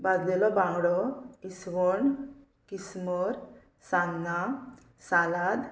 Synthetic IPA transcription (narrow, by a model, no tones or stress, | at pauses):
bad̪d̪ɛlɔbãŋɡɽɔisʋɔɳ | kismɔɾ | sanna | salad̪